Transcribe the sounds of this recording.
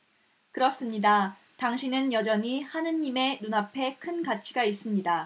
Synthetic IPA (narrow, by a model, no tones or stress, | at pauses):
kɯɾʌs͈ɯmɲida | taŋɕʰinɯnjʌd͡ʑʌɲihanɯɲːime̞nunapʰe̞kʰɯnkat͡ɕʰiɡais͈ɯmɲida